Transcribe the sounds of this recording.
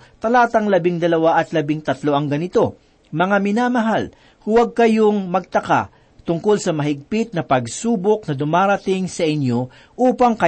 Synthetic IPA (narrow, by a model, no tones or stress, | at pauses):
t̪ɐlaːt̪ɐŋlɐbɪŋd̪ɐlɐwaʔɐt̪lɐbɪŋt̪ɐt̪lo̞ʔɐŋɡɐnɪt̪o̞ | mɐŋamɪnaːmɐɦal | hʊwɐɡ̚kɐjo̞ŋmɐɡ̚t̪ɐka̰ | t̪ʊŋko̞lsɐmɐɦɪɡ̚pɪt̪̚nɐpɐɡ̚suːbok̚nɐd̪ʊmaːɾɐt̪ɪŋsɐʔɪnjo̞ | ʔuːpɐŋkɐ